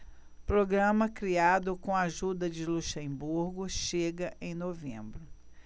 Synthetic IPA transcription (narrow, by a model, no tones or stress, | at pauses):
pɾoɡɾɐ̃mɐkɾiad̪ʊkõaʒud̪ɐd͡ʒɪluʃẽbuɾɡʊʃeɡɐʔẽj̃novḛ̃mbɾʊ